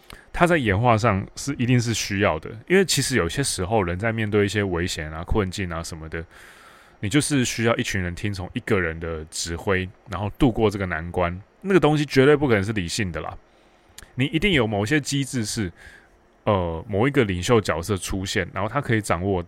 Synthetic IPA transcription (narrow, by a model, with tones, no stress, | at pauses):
t̪ʰa˥t͡sa˥˩ɪjɛ˧˥nxwa˥˧ʂ̬ɑ˥˧ŋʂɻ̩˥˩i˧˥t̪i˥˧ŋʂ̬ɻ̩˥˩ɕy˥jɑ˥˩ʊd̪ə̰˩i˥nwe˥˩ɪt͡ɕʰi˧˥ʂɻ̩˧˥jo˨˩ʊi˩ɕjɛ˥ʂɻ̩˧˥xo˥˧ʊɻə˧˦nt͡sa˥˧ɪmjɛ˥˧nt̪we˥˧ɪi˥˩ɕ̬jɛ˥we˧˥ɪɕjɛ˨˩na˦kʰwə˥˧nt͡ɕi˥˩na˨ʂə˨˦nmə˩d̪ə˩ | ni˨˩t͡ɕjo˥˧ʊʂɻ̩˥˧ɕy˥jɑ˥˧ʊʔi˥˩t͡ɕʰy˧˦nɻə˧˦nt̪ʰi˥ŋt͡sʰʊ˧˥ŋi˥˩ɡə˨ɻə˧˦nd̪ə˨ʈ͡ʂɻ̩˧˥xwe˥ɪɻa˧˥nxo˥˧ʊt̪u˥˧kwɔ˥˧ʈ͡ʂɤ˥˩ɡə˩na˧˦nkwa˦nna˥˩ɡə˩t̪o˥ŋɕi˧˦t͡ɕɥɛ˧˥t̪we˥˧ɪpu˥˩k̪ʰə˧˦ŋʂɻ̩˥˩li˨˩ɕi˥˩ŋd̪ə˩lɐ̰˨˩ | ni˨˩i˧˥t̪i˥˩ŋjo˨˩ʊmo˨˩ʊ˩ɕjɛ˦˥t͡ɕi˥t͡sɻ̩˥˧ʂɻ̩˥˩ | ə˧mo˨˩ʊi˧˥ɡə˨li˨˩ŋɕjo˥˩ʊt͡ɕjɑ˨˩ʊsɤ˥˧ʈ͡ʂʰu˦˥ɕjɛ˥˩nɻa˧˦nxo˥˩t̪ʰa˥kʰɤ˧i˧˩ʈ͡ʂɑ˨˩ŋwɔ˥˧